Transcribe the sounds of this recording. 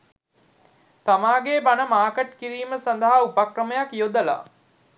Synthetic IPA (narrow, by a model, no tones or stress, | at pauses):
t̪amaːɡebanəmaːkəʈkiɾiːməsand̪əɦaupakrəməjakjod̪əla̰